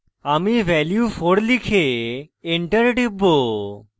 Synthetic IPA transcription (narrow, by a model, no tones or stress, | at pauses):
amiʋɛljupʰoɾlikʰeeɳʈəɾɖibːo